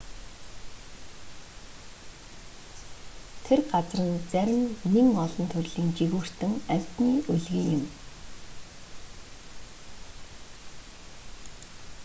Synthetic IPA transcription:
t̪ʰerɢat͡srə̆nt͡sæɾʲɪ̆mːeŋɔɮɞ̆nt̪ʰɵrʲɮiːŋt͡ɕiɣuːr̥t̪ɘ̆ŋæw̥ʲt̪niːɵɮɣiːjɪ̆m

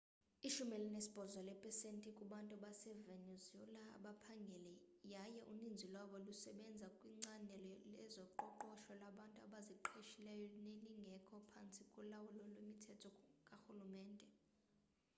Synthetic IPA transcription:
iʃumɛlinesi̥b̥ʱɔzwalɛpʰʼɛsentʼikʼuɓantʼuaɓasɛvenɛzɛlaa̰ɓapʰaŋɡʱɛlɛ | jajɛʔunind͡zʱilwaɓɔlusɛɓɛnd͡zʱakʼwiŋ͡ǀanʱɛlɛzɔǃɔǃɔʃɔlaɓantʼuaɓaziǃeʃilɛjɔneniŋɡʱɛkʰɔpʰant͡sʼikʼɔlawulɔlwemitʰɛtʰɔkʼaxulumɛːndʱʼɛ

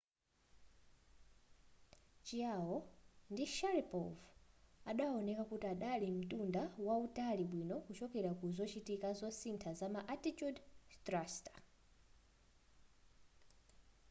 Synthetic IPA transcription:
t͡ʃiawɔndiʃaɾipɔvaɗaɔnɛkakutiaɗalim̩tʼundawautaliɓwinɔkut͡ʃɔkɛɾakuzɔt͡ʃitikazɔsintʰazamaʔatitjudtɾastḁ

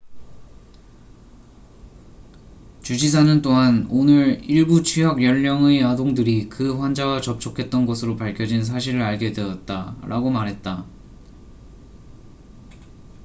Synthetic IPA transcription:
t͡ɕud͡ʑis̬ʰanɯnt͈oɦanonɯɾiɭɡut͡ɕʰiɦʌɡjʌʎːʌŋejadoŋdɯɾikɯɸwand͡ʑaɡat͡ɕʌp̚t͡ɕʰokʰe̞t̚t͈ʌnɡʌsʰɯɾopaɭkʰjʌd͡ʑins̬ʰaɕ̬ʰiɾɯɾaɭɡe̞deʌt̚t͈aɾʔaɡomaɾɦe̞t̚t͈a

